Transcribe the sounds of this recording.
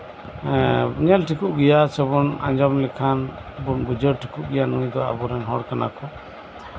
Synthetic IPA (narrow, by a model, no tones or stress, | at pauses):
ɲɛlʈʰikuʔɡɛjasɔbɔna̰ɲd͡ʒɔmlɛkʰan | bunbud͡ʒɔɾʈʰikuʔɡɛjanujd̪ɔa̰bɔɾɛnɦɔɽkana̰kɔ